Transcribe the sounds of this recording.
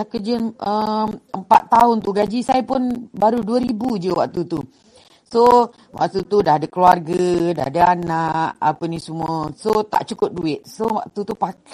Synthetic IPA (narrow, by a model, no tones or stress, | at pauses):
akərd͡ʒənəəmpa̰t̪ːaʊnt̪uɡad͡ʒisajapʊnbaɾuduəɾibud͡ʒəwa̰k̚t̪ut̪u | so | wa̰k̚t̪ut̪udadəkəluarɡəda̰dəanaʔa̰pənisəmuəsot̪a̰ʔt͡ʃukʊt̚duɪʔ̚sowa̰ʔ̚t̪ut̪upak